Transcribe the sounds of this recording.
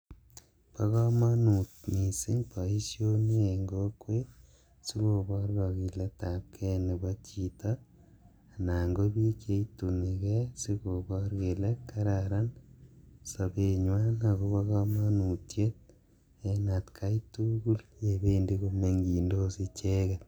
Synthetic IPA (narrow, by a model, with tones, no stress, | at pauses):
pa˦ɣamanu˨tmi˨si˦ŋpa˨i˦sjone˦eŋɡokwe | si˦ɣo˨βɔ˦ɾɣa˨ɣi˨le˦tap̚kʰe˦ne˨βat͡ʃi˨ta | na˨ŋɡo˦βi˦t͡ʃe˦itu˨mi˨kesi˦ko˨bɔ˦ɾke˨leka˦ɾaɾa˦n | sapeɲwa˦nako˦pa˦ɣama˦nu˨tjet̚ | enatkʰa˦ituɡu˦lje˨be˦ndi˦komeŋɡi˨ndo˦si˦t͡ʃe˦ke